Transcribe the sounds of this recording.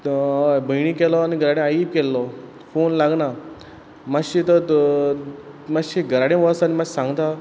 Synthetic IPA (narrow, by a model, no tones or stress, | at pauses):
bʱəjɽ̃ĩkɛlɔaniɡʱəɾaɽẽajip̚kɛlːɔ | fonlaɡna | maɕit̪ə | maɕiɡəɾaɽẽʋəsanimad͡ʑsãŋɡt̪a